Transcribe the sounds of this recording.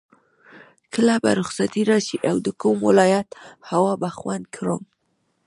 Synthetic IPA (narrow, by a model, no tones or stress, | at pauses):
kəlaba̰ɾʊxsat̪iɾɑʃiʔawd̪əkumwɪ̰lɑjat̪hawɑbaxwand̪kʰɾo̰m